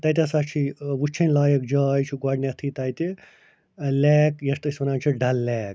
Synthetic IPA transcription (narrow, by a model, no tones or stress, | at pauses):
t̪ɐjt̪ʲɐsat͡ʃʰiʋut͡ʃʰɐnʲlaːjɐkd͡ʒaːjt͡ʃʰiɡaɽnʲɐt̪ʰit̪ɐjt̪i | lɛːkjɐst̪ɨsʋɐnaːnt͡ʃʰiɖɐlːɛːk